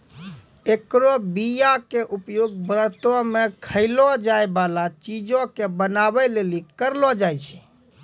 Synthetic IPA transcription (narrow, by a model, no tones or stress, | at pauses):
ekɾobijakeʔupjoɡbɾət̪omekʰəɪlɔd͡ʒaebalat͡ʃid͡ʒõkebənabɛlelikəɾlɔd͡ʒajt͡ʃʰɛ̥